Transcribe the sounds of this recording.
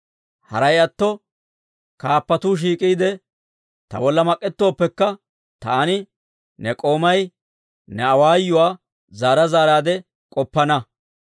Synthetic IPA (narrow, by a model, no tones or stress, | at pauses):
hɐ̰ɾɐjɐt̪ːɔ | kaːpːɐt̪uːʃ̬iːkʼiːd̪ɛ | t̪ɐ̰bɔlːɐmɐkʼːɛt̪ːo̞ːpːɛkːɐ | t̪aːnɪ | nɛkʼo̞ːmɐj | nɛɐwaːjːʊwaː | zaːɾɐzaːɾaːd̪ɛ | kʼɔpːɐnɐ